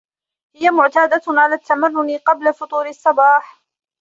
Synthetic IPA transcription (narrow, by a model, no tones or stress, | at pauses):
hɪjamʊʕt̪aːd̪aʕalaːt̪ːamanːʊnɪqɑblafʊt̪ˤuːɾɪsˤːɑbaːħ